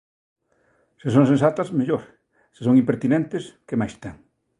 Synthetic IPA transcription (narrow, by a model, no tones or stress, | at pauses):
ses̬õŋsẽns̬at̪ɐsmeʎoɾ | sesoŋimpeɾt̪inẽnt̪eskemajst̪eŋ